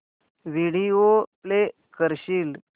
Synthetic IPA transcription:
ʋiɽiople | kəɾɕiːl

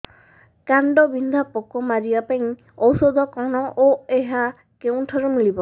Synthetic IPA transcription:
kaɳɖɔbind̪ʱapɔkɔmaɾibapaĩ | ɔwsɔd̪ʱɔkɔɽ̃ɔʔoeɦa | keũʈʰɔɾɔmilibɔ

